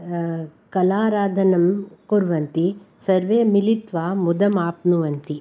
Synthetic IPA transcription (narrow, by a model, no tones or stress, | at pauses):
kɐlaːɾaːd̪ʱɐnɐmkoɾʋɐnt̪i | sɐɾʋeːmilit̪ʋaːmud̪ɐmaːpnuʋɐnt̪i